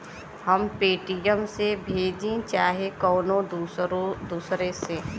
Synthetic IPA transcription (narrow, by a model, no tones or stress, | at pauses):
həmpeːʈijəmsebʱeːd͡ʒĩt͡ʃaːɦekɔːnõod̪uːsɾese